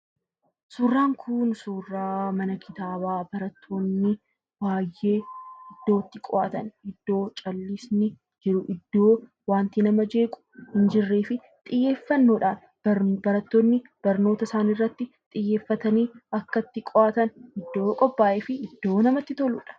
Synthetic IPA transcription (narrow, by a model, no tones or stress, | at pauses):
suːrːaːŋkʰʊnsuːrːaːmɐnɐkʰɪt̪aːbaːbɐɾɐt̪ʰːoːnːɪ | baːjːe̞ːɪd̪ːo̞ːt̪ːɪkʼɔʔaːt̪ɐnɪd̪ːo̞ːt͡ʃʼɐlːɪsnɪ | d͡ʒɪɾʊʔɪd̪ːo̞ː | waːnt̪inɐmɐd͡ʒe̞ːkʼʊ̥hɪnd͡ʒɪrːeːfɪ | t̪ʼɪjːe̞ːfːɐnːoːᶑaːn | bɐɾɐt̪ːoːnːɪb̥ɐɾno̞ːt̪ɐsaːnirːɐt̪ːɪ | t̪ʼɪjːe̞ːfːɐt̪ɐniːɐkːɐt̪ːɪkʼɔʔaːt̪ɐnɪd̪ːo̞ːkʼɔbːaːʔeːfɪɪd̪ːo̞ːnɐmɐt̪ːɪt̪ɔlʊ̰ːᶑɐ̥